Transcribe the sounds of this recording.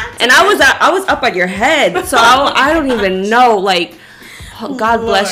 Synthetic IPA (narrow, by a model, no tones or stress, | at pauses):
ʔɨ̃ñaɪwʌzʌʔaɪwʌzʌpɨ̃nə˞ɦɛd̥soʊaɪa̰ɪɾõʊ̃ntivɨ̃nːoʊlaɪk̚ | hoɡ̥ɑd̚blɛs